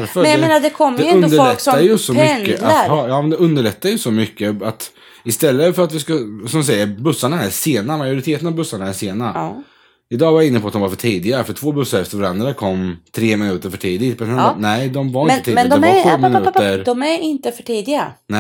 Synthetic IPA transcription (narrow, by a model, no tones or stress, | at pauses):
ɾfœɛnjaeːnad̪ɛkʰɔmːəd̪ɛɛnɵnd̪əfɔɭɛk̪sɔːajɵsɔmɛnːəaaɾɑjɑːmɛnd̪ɛɵnd̪əɭɛt̪ːajɵsɔmʏkːəat̪ | ɪst̪ɛlːəfœɾat̪vɪskasɔmsɛjːəɾbɵsːaɳaæseːnamajʊɾɪt̪ʰeːt̪ənavbɵsːaɳaæseːna | ɪd̪ɑːvaɾjaɪnːəpʰɔat̪̚d̪ɔmvaɾfœʈʰiːd̪ɪɡaɾəfœʈʰv̥oːbɵsːaɾɛft̪əɾvaɾand̪ɾakʰɔmːt̪ʰɾeːmɪnʉ̟ːt̪əɾfœʈʰiːd̪ɪt̪̚bd̪ɛnhɛnɛɪd̪ɔmvaɾɪnət̪ːdmɛnd̪ɔʉmɪnːəɾd̪ɔmæɾɪnt̪əfœʈʰiːd̪ɪɡanɛ